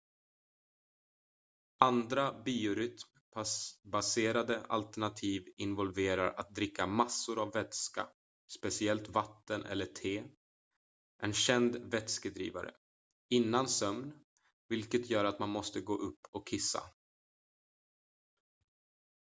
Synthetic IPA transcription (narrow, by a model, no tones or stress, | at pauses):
and̪ɾabiːʊɾʏt̪m | baseːɾad̪əa̰lt̪æɳat̪ʰiːvɪnvɔlveːɾa̰ɾa̰t̪̚d̪ɾɪkːamasːʊɾavːɛt̪ska̰ | spɛsɪɛlt̪vat̪ːənʔɛ̰lːəʈʰeː | ʔɛnɕɛnd̪vɛt̪skəd̪ɾḭːva̰ɾə̰ | ɪnːansœmn | vɪlkət̪jœːɾat̪manmɔst̪əɡoːʔɵpːɔkʰːɪsːa̰